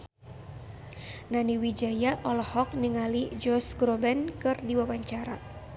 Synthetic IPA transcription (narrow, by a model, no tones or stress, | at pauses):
naniwid͡ʒajaʔɔlɔhɔk̚niŋalid͡ʒɔsɡɾɔbɛnkɨrdiwawaɲt͡ʃaɾa